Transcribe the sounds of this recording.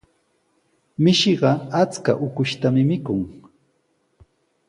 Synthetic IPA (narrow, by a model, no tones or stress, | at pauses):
mɪʃeɢɑat͡ska̰ʔʊkʊʃt̪amɪmɪkʊŋ